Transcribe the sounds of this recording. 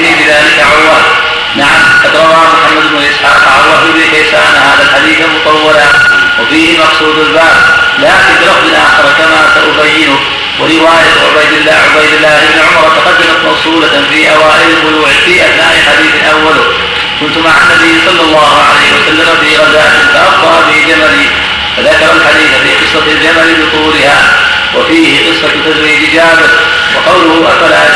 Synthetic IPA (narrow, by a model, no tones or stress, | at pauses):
nibɪðaːlɪkaʕawːaːl | naʕamqɑd̪ɾˤɑwaːmʊħamːad̪ɪbnʊlʔɪsħa̰ːqʕa̰baɪbnifajsaːnahaːðalħad̪iːθalmʊt̪ˤɑwːɑlawafiːhɪmɑqsˤuːd̪albaːb | laːkɪnbɪɾˤɑfd̪ɪnʔaːxɪɾˤkamaːsaʔʊbajːɪnʊk | wɪɾɪwaːjaʕʊ̰bajd̪ɪlːa̰ːʕʊ̰bajd̪ɪlːaːhɪbnɪʕʊmɑɾˤt̪aqɑd̪ːamat̪mɑwsˤuːla | fiːʔawaːʔɪɾalbʊluːʕfiːʔaθnaːʔɪħad̪iːθʔawːalʊ | kʊnt̪ʊmaʕa̰nːabijːsˤɑlːɑlˤːɑːhʕa̰lajhɪwasalːamafiːɣɑzaːʔʔɪt̪aʔɑfd̪ˤɑːbɪd͡ʒamali | faðakɑɾˤɑlħad̪iːθafiːqɨsˤːɑld͡ʒamalbɪt̪ˤulɪha̰ː | wʔafiːhɪqɨsˤːɑt̪ad̪ɾiːd͡ʒʔɪd͡ʒaːbɪɾ | wɑ̰qɑwlʊhʊʔafalaʔa